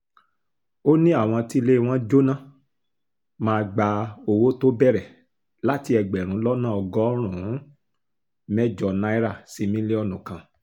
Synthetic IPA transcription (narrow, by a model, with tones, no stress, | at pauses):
o˦nĩ˦a˦˨w̃ɔ̃˧ti˦˧le˦˧w̃ɔ̃˦d͡ʒo˦nã˦˨ | mãː˧ɡ͡ba˧o˧wo˦to˦bɛ˦˨ɾɛ˨ | la˦ti˧ɛ˧ɡ͡bɛ˨ɾ̃ũ˨˦lɔ˦nã˦ɔ˧ɡɔ˦ɾ̃ũ˨˦ | mɛ˦d͡ʒɔ˧nã˦i˦ɾa˦˨si˧mĩ˦le˦ɔ˦˨nũ˨kã˨